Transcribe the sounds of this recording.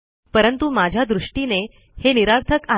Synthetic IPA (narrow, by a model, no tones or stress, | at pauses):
pəɾənt̪umad͡ʑʱjad̪ɾuʂʈine | heniɾaɾt̪ʰəka